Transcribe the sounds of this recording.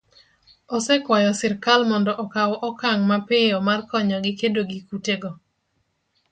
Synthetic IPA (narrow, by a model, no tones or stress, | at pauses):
ɔsɛkwajɔsɪɾkalmɔndɔʔɔkawɔʔɔkaŋmapɪjɔmarkɔɲɔɡɪkedoɡikuteɡɔ